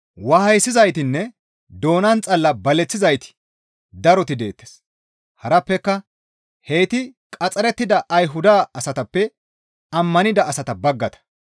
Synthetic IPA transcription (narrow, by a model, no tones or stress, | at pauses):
wɐhɐjsɪzɐjt̪ɪnːɛ | d̪o̞ːnɐnt͡sʼɐlːɐbɐlɛt͡sːɪzɐjt̪ɪ̥ | d̪ɐɾɔt̪ɪd̪e̞ːt̪ːes | hɐɾɐpːɛkːɐ | he̞ːt̪ɪkʼɐt͡sʼɐɾɛt̪ːɪd̪ɐʔɐjɦʊd̪aːɐsɐt̪ɐpːɛ | ɐmːɐnɪd̪ɐːsɐt̪ɐbɐɡːɐt̪ɐ̥